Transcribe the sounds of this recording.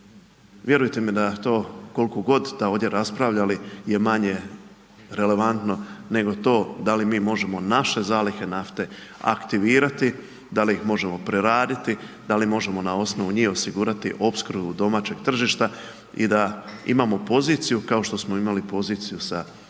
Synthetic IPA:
ʋje̞ɾujt̪e̞mid̪at̪o̞ːko̞lkoɡo̞d̪d̪̥ao̞ːd̪je̞ɾaspɾaʋʎalije̞maɲe̞ | ɾe̞le̞ʋant̪no̞ne̞ɡo̞t̪o̞ːd̪alimiːmo̞ʒe̞mo̞naʃe̞zaːlixe̞naft̪e̞ | a̰kt̪iʋiːɾat̪i | d̪aliixmo̞ʒe̞mo̞pɾe̞ɾaːd̪it̪i | d̪alimo̞ʒe̞mo̞nao̞sno̞ʋuɲiːo̞siɡuːɾat̪iʔo̞pskɾubud̪o̞maːt͡ɕe̞ɡ̥t̪r̩ʒiːʃt̪a | ḭd̪aḭmaːmo̞po̞ziːt̪sijukao̞ʃt̪o̞smo̞imalipo̞ziːt̪sijusa

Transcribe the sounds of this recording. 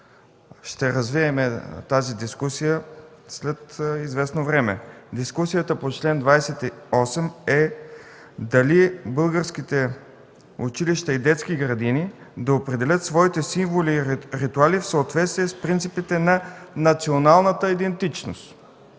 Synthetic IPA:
ʃt̪ɛɾɐzviɛmɛt̪azid̪iskusijəslɛt̪izvɛsnovɾɛmɛ̰d̪iskusijət̪əpot͡ʃlɛnd̪vajsɛt̪iɔsɛmɛ | d̪ɐlibɤlˠɡəɾskit̪ɛ | ʊt͡ʃiliʃt̪əid̪ɛt̪sk̟iɡɾɐd̪inid̪ɐopɾɛd̪ɛlʲət̪svɔit̪ɛsiɱvoliɾit̪ualifsoːt̪vɛt̪st̪viɛspɾint̪sipit̪ɛnɐnɐt̪sionalˠnət̪əid̪ɛnt̪it͡ʃno̰st̪

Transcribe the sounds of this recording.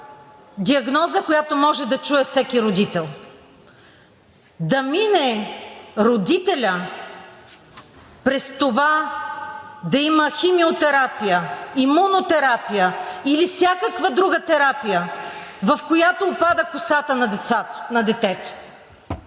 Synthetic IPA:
d̪iɐɡnɔzəkojat̪omɔʒɛd̪ɐt͡ʃuɛfsɛkʲiɾod̪it̪ɛlˠ | d̪ɐminɛ | ɾod̪it̪ɛlʲə | pɾɛst̪ova | d̪ɐiməximiot̪ɛɾapijəimunot̪ɛɾapijəilifsʲjakəkvəd̪ɾuɡət̪ɛɾapijəvɐfkojat̪oːpad̪əkʊsat̪ənɐd̪ɛt̪sḁnɐd̪ɛt̪ɛt̪o̥

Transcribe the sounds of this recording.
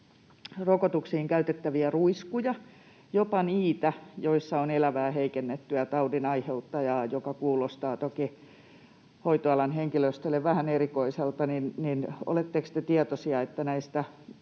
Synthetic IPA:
rokot̪uksiːŋkæyt̪et̪ːæʋiæruiskujɑ | jopɑniːt̪æjoisːɑonelæʋæːheikenːet̪ːyæt̪ɑudinɑiheut̪ːɑjɑːjokɑkuːlost̪ɑːt̪oki | hoit̪oɑlɑnheŋkiløst̪ølːˑeʋʋæhænerikoiselt̪ɑninnino̰let̪ːekst̪et̪iɛt̪osiɑet̪ːænæist̪æ

